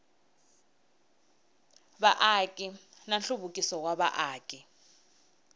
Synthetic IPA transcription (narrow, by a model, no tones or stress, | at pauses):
baʔakʼinanɬuβukʼisɔkwaβa̰ʔaːkʼi